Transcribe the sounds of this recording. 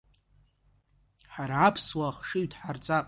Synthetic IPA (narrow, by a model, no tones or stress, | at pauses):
ħaɾaːpʰswaχʂɨɥtʰʼħart͡sʼapʼ